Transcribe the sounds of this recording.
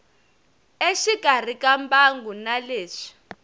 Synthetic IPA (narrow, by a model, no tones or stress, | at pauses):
eʃiɡ̥ʱar̤ikambaŋɡunaleːʂi̥